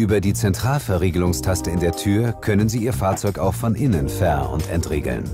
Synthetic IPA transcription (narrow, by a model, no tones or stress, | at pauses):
ʔyːbɐdiːt͡sɛntʁ̥aːlfɛɐʁeːɡəlʊŋstʰastəɪndeːɐtʰyːɐkʰœnənziːʔiːɐfaːɐt͡sɔʏkaʊxfɔnʔɪnənfɛɐʔʊ̰ntɛ̰ntʁḛːɡl̩n